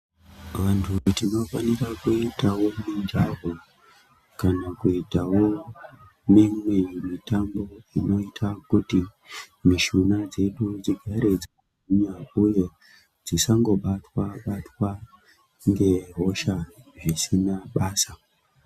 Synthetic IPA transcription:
ʋantʰutino̞fanirakuitawo̞nind͡ʒaɦo | kanakuitawo̞ | mimwemitambo̞ino̞itʰakuti | miʃunad͡ze̞ɗud͡ziɡʱaɾe̞d͡za | uɲauje̞ | d͡zisaŋɡo̞ɓatwaɓatwa | ŋɡe̞ɦo̞ʃaʐisinaɓaːsa

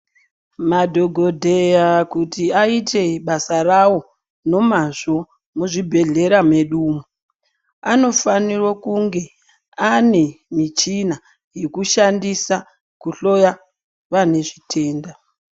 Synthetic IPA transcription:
madʱo̞ɡʱo̞dʱejakutiaite̞ɓasarawo̞ | no̞maʐo̞ | muʐibʱe̞ɮe̞ɾame̞ɗuːmu | ano̞fanirwokuŋɡe̞ | ane̞mit͡ʃina | jekuʃandisa | kuɬo̞ja | ʋane̞ʐitʰe̞ːnda

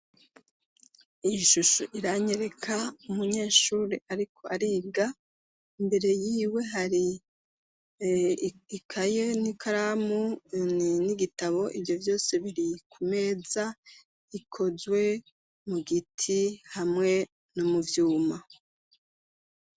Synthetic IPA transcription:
ijʃuʃoʔiɾaɲe̞ɾe̞kʰaumuɲe̞ːʃuːɾeʔaɾikʰo̞aɾiɡa | imbe̞ɾe̞jiːwe̞ɦaɾi | ikʰajenikʰaɾamuniniɡitaβo̞ʔivjo̞vjo̞ːse̞βiɾikʰume̞ːza | ikʰo̞zwe̞ | muɡitʰihamŋe̞ | nomuvjuːma

